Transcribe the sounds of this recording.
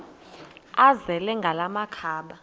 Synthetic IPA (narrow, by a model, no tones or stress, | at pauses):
azɛlɛŋɡʱalamakʰaːɓa